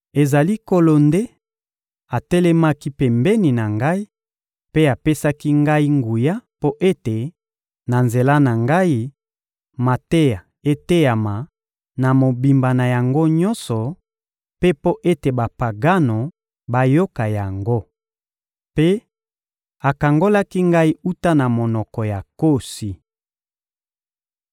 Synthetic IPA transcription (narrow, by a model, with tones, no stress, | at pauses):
e˨za˨li˦ko˦lo˨nde˦ | a˨tɛ˦lɛ˦ma˦ki˦pɛ˨mbɛ˦ni˨na˨ŋɡa˦i˦ | pe˦a˨pe˦sa˦ki˦ŋɡa˦i˦ŋɡu˨ja˦po˦ʔe˦te˨ | na˨nze˨la˦na˨ŋɡa˦i˦ | ma˨te˦ja˨ | e˦te˦ja˨ma˨ | na˨mo˨bi˨mba˨na˨ja˨ŋɡo˦ɲɔ˦nsɔ˨ | pe˦po˦ʔe˦te˨ba˨pa˨ɡa˦no˨ | ba˦jo˦ka˨ja˨ŋɡo˦ | pe˦ | a˨ka˨ŋɡo˦la˦ki˦ŋɡa˦i˦u˦ta˦na˨mo˨nɔ˨kɔ˨ja˨ko˦˨si˨